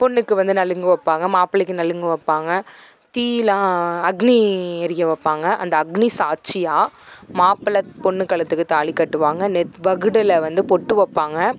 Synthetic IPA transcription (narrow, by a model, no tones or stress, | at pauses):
pɔɳːɯkːɯʋɐnd̪ɯnɐlɯŋɡɯʋɐpːaːŋɡɐmaːpɐlɐkːɯnɐlɯŋɡɯʋɐpːaːŋɡɐ | t̪iːlãːɐɡniɛɾɪjɐʋɐpːaːŋɡɐʔɐ̰nd̪ɐːɡnisaːt͡ʃɪjaːmaːpɐlɐpɔɳːɯkːɐɭɐt̪ːɯkːɯt̪aːɭikːɐʈːɯʋaːŋɡɐnɛt̪ʋɐɣɯɽɪlɐʋɐnd̪ɯpɔʈːɯʋɐpːaːŋɡɐ